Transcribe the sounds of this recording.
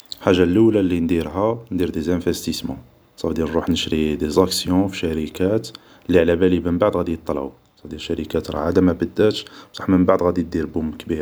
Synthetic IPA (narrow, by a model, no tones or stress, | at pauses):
ħaʒːalːəwlælːind̪iɾɦænd̪iɾd̪ezæfæst̪ismɑ̰̃ | sˤɑfd̪inɾuħnəʃɾid̪ezæksjɔ̃fiʃæɾikæt̪ | lːiʕlæbælimənbaʕd̪ˤɣæd̪ijət̪ˤːɑlʕṵ | sˤɑfd̪ilʃæɾikæt̪ɾ̰ˤʕad̪amæbəd̪ːæt̪ʃsˤɑ̥ħmənbaʕd̪ɣæd̪id̪iɾbʊmkbiɾ